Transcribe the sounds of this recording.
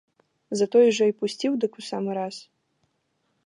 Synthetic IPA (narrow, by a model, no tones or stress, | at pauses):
zɐt̪ɔjʐɔipusʲt͡sʲiwd̪ɨkusamɨɾas